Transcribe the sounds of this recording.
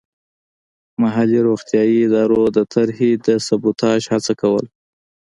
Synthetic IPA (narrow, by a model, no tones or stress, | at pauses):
maɦaliɾoxt̪jɑjiɪd̪ɑɾod̪ət̪ʰaɾhid̪əsabut̪ɑʃhat͡sakawə̰l